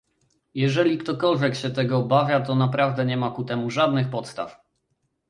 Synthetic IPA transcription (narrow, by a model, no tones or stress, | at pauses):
jɛʐɛlʲikt̪ɔkɔlvʲjɛkɕɛt̪ɛɡɔbavʲjat̪ɔnapɾavd̪ɛɲɛmakut̪ɛmuʐad̪nɘxpɔt̪st̪a̰f